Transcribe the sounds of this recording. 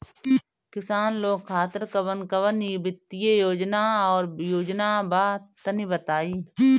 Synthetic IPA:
kɪsaːnloːɡkʰaːt̪ɪɾkəʋənkəʋənibɪt̪ːijejoːd͡ʒnaːɔːɾjoːd͡ʒnaːbaːt̪ənibət̪aːiː

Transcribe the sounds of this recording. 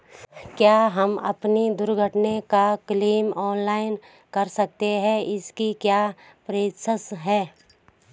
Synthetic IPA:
kjaːɦɐmɐ̰pnid̪ʊɾɡʱəʈnekakliːmɔːnlaːɪn | kɐɾsɐk̚t̪eɦɛ̃ɪskikjaː | pɾeːt̪ʃəsɦɛː

